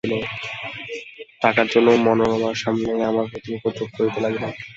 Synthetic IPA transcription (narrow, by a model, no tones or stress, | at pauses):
ilo | ʈakaɾd͡ʑonːomɔnoɾɔmaɾʃamneamaɾkot̪inikot̪ok̚koɾit̪elaɡbe